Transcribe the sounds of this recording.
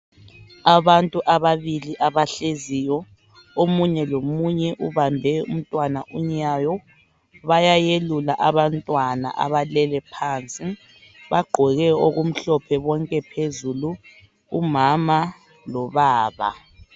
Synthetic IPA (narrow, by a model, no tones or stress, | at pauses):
aβantʼuʔaβaβiliʔaβaɬezijɔ | omuɲɛlomuɲɛʔuβambʱɛṵm̩tʼwanaʔuɲajɔ | βajajelulaʔaβantʼwana̰ʔa̰βalɛlɛpʰaːnt͡sʼi | βaɡ͡ǃʱɔɣɛoɣum̩ɬɔpʰɛβɔŋkʼɛpʰezuluː | mama | lɔβaːβa̰